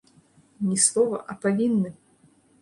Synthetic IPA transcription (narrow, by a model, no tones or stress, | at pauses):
nʲislˠɔvɐ̰ʔɐpavʲinːɨ